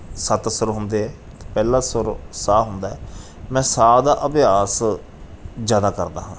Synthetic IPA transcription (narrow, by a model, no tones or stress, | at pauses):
sət̪səɾɦʊnd̪eːɦɛː | t̪eːpɛːlãːsəɾsaːɦʊnd̪aːɛː | mɛ̃ːsaːd̪aːʔəbɪaːs | d͡ʒjaːd̪aːkəɾd̪a̰ːɦãː